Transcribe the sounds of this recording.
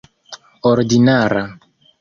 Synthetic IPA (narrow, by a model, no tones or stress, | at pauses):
oɾdinaɾa